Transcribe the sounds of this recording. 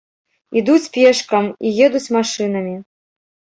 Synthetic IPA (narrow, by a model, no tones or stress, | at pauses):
id̪ut͡sʲpʲɛʂkɐmijɛd̪ut͡sʲmaʂɨn̪ɐmʲi